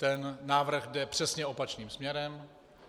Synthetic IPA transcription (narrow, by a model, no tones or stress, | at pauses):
t̪ɛnːaːvr̩ɣdɛpr̥ɛsɲɛʔo̞pat͡ʃniːmsmɲɛɾɛm